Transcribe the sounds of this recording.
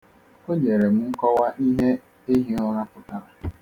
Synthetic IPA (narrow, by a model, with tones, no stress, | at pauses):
o˦ɲe˨ɾe˨m̩˨ŋ̩˦kɔ˦wa˦ʔi˦ɦe˦ | e˦ɦi˦ɔ˦ɾa˦pʊ˨ta˦ɾa˨